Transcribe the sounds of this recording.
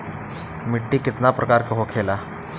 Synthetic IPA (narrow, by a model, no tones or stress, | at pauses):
mɪʈːikɪt̪napɾʔɐkaːɾkəɦokʰeːla